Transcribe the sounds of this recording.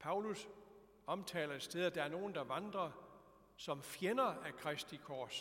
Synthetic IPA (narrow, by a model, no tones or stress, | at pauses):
pʰɑ̈ʊlus | ɒ̽mt͡sʰɛ̰ːlɐe̥sd̥eð̞ˠæd̥ɑ̈æɐno̝ːn̩d̥ɑ̈ʋɑ̈nd̥ʁɐ | sɒ̽mfjenɐækʰʁɛsd̥ikʰɒːs